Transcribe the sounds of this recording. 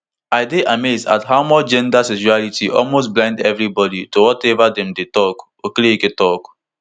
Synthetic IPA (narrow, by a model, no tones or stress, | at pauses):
aɪdeʔameza̰thaʊmɔt͡ʃd͡ʒɛ̃ndasɛʃualitʰiʔɔ̰lmos̬blãɪ̃ndɛvɹibɔditowɔtɛvadɛ̃mdetɔk | oklieketɔk